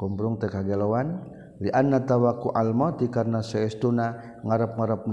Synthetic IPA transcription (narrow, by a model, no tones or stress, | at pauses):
kɔmbɾuŋt̪ɛkaɡɛlowan | liʔanːat̪awakuʔalmɔt̪ikarnasɛɛst̪una | ŋaɾap̚ŋaɾap̚